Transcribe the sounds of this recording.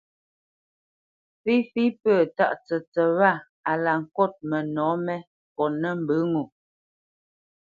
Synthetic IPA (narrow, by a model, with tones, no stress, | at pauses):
fi˦fi˦pəː˦˨ta̰˦˨ʔt͡sə˨t͡sə˨βa˦˨ | a˨la˨ŋ̩˨kɔ˦˨t̚mə˨nɔ˨˦mɛ˦ | kɔ˨nə˦m̩˨bɨ˨˦ŋu˨